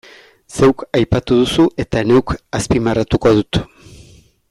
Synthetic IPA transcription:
se̞wkajpat̪uð̞usuʔe̞t̪aene̞wkaspimarat̪uko̞ð̞ut̪

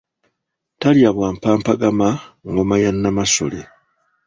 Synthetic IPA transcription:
taljaβwaːmpaːmpaɡamaŋɡomajanːamaso̞̰lḛ

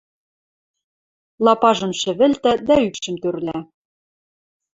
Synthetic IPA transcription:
lˠɑpɑʒɤ̆mʃɘ̆βɘ̆lt̪æd̪æykʃɘ̆mt̪ørlæ

